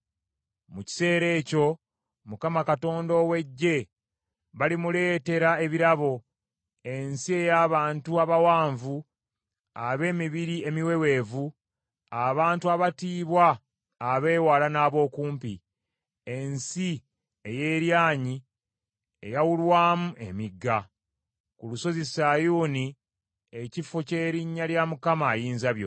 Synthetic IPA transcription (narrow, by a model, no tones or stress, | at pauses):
muci̥se̞ːɾe̞ːco̞ | mukamakato̞ːndo̞we̞ɟːe̞ | βalimule̞ːte̞ɾae̞βiɾaβo̞ | e̞nsie̞jaːβaːntuaβawaːɱvu | aβe̞ːmiβiɾie̞miwe̞we̞ːvu | aβaːntuaβatiːβwaː | βe̞ːwaːlanaːβo̞ːkuːmpḭ | e̞nsi | eje̞ːɾjaːɲi | ḛjawulwaːmuʔe̞̰miɡːa | kuluso̞zisajuːni | ecifoce̞ːɾiɲːaljamukamaːjiːnzaβjo̰